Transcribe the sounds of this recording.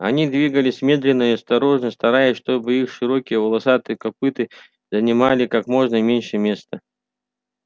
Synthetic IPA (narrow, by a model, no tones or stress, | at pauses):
ɐ̰nʲid̪vʲiɡəlʲɪsʲmʲe̞d̪lʲɪnːəjiɐst̪ɐɾo̞ʐnəst̪ɐɾajɪsʲʂt̪o̞bɨixʂɨɾokʲɪjəvəlˠɐsat̪ɨkɐpɨt̪ɨ | zənʲɪmalʲɪkakmo̞ʐnəmʲenʲʂɨmʲe̞st̪ə